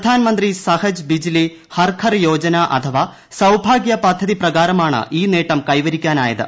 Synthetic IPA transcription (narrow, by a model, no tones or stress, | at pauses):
d̪ʱaːnɐmɐnd̪risɐhɐd͡ʑbid͡ʑili | hɐrkʰɐrjoːd͡ʑɐnaʔɐ̰t̪ʰɐʋaː | sɐwbʱaːɡjɐpɐd̪ʱːɐðiprɐɣaːɾɐmaːɳɨ̰ʔiːneːʈːɐmkɐjʋɐɾikʲːaːna̰ːjɐðɨ̰